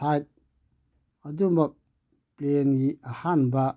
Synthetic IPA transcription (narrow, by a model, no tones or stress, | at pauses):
ajt̪̚ | ɐdumɐk̚ | plenɡiahanba